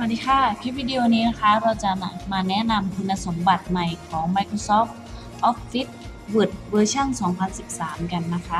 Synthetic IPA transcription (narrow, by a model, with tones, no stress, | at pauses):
a˧˩diː˧˥kʰaː˥˩kʰi˦˥p̚wi˧di˧o˧niː˦˥na˦˥kʰa˦˥ɾaː˧wt͡ɕa˨˩na˨˩maː˧nɛ˦˥na˧mkʰu˧nːa˧so˩˦mba˨˩t̪̚ma˨˩jkʰɔː˩˦ŋma˧jkʰɾo˧sɔː˦˥f | ʔɔː˦˥p̚fi˦˥t̪̚ | bu˨˩t̪̚wɤː˧t͡ɕʰa˥˩nsɔː˩˦ŋpʰa˧nsi˨˩p̚saː˩˦mka˧nːa˦˥kʰa˦˥